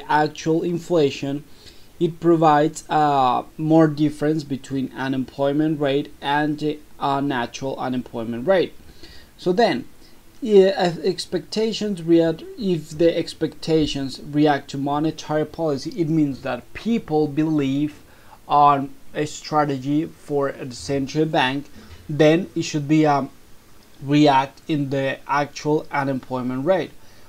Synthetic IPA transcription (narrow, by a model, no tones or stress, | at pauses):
æk̚t͡ʃuəlˠɪ̃ɱfleʃə̃nɪt̚pɹɔvaɪdz | mɔɹdɪfəɹɨ̃ns̬bɨtʰwĩnæ̃nɛ̃mpʰlɔɪmɨ̃ntɹeɪɾɨ̃nðinæt͡ʃəɹəlˠə̰̃nɛ̃mpʰl̥ɔɪmə̃ntɹeɪt̚ | soðɛ̃n | ɪɛkspɛk̚tʰeɪʃə̃nzɹiɪfðiʔɛkspɛk̚tʰeɪʃə̃nzɹiæk̚tʰumɑnɨtʰɛɹipʰɑlɪsiʔɪt̚mĩnzðæt̚pʰipəl̩ˠbɨliv | ɔnɨstɹ̥æɾɨd͡ʒifəɹəsɛ̃ntɹəlˠbæ̃ŋkðɛ̃nɪtʃɨd̚bi | ɹiæk̚tɪ̃nðiæk̚t͡ʃuəlˠãnɨ̃mpʰlɔɪmə̃nɹeɪt̚